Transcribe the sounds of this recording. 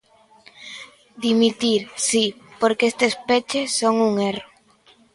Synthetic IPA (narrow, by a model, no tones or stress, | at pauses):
d̪imit̪iɾsipoɾkest̪espet͡ʃesoŋuŋero